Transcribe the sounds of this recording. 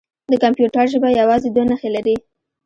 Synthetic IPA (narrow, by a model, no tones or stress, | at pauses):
d̪əkampjuʈaɾʒəbajawɑzed̪wanaxelaɾi